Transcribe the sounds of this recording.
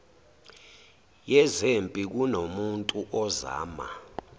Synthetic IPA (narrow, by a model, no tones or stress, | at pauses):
jɛzempʼik̬unomuntʼuʔɔza̰ːma̰